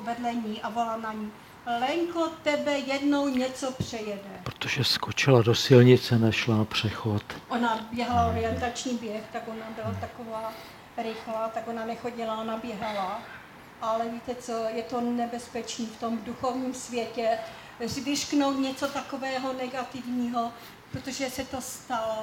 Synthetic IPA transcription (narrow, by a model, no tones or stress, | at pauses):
vɛdlɛɲiːʔavolanaɲiː | lɛŋkot̪ɛbɛjɛdno̞wɲɛt͡sopr̝̥ɛjɛdɛpɾot̪oʒɛskot͡ʃɪladosɪlɲɪt͡sɛnɛʃlanapr̝̥ɛxot̪ʔonabjɛɦalaoɾɪjɛnt̪at͡ʃɲiːbjɛxt̪aɡʔonabɪlat̪akovaː | ɾɪxlaːt̪aɡonanɛxo̞ɟɪlaʔonabjɛɦala | ʔalɛviːt̪ɛt͡sojɛt̪o̞nɛbɛspɛt͡ʃniːft̪o̞mduxo̞vɲiːmsvjɛcɛ | zvɪʃkno̞wt̪ɲɛt͡so̞t̪akovɛːɦonɛɡat̪ɪvɲiːɦo | pɾot̪oʒɛsɛt̪o̞st̪alo